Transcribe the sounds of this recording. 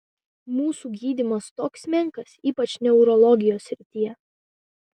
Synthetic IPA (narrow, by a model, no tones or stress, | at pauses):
muːsuːɡʲiːd̪ʲimɐst̪oːksʲmʲɛŋˑkɐsiːpɐt͡ʃʲnʲɛʊɾɔlˠɔɡʲɪjoːsʲɾʲɪt̪ʲijɛ